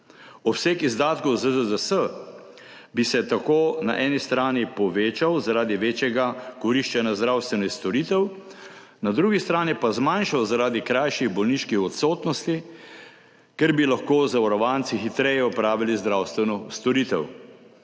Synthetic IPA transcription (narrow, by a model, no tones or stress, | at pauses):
ɔsekizd̪aːt̪kɔwzəd̪əd̪əsə | bisɛt̪akoːna̰ʔɛːnist̪ɾaːnipɔʋeːt͡ʃawzaɾaːd̪iʋeːt͡ʃjɛɡakɔɾiʃt͡ʃɛnjazd̪ɾawst̪ʋɛnɔist̪ɔɾiːt̪ɛw | nad̪ɾuːɡist̪ɾaːnipazmajnʃawzaɾaːd̪ikɾajʃiɣbɔlniʃkixɔt̪soːt̪nɔst̪i | kɛɾbilaxkoːzaʋɔɾɔʋaːnt̪sixit̪ɾɛjɛɔpɾaːʋilizd̪ɾaːwst̪ʋɛnɔst̪ɔɾiːt̪ɛw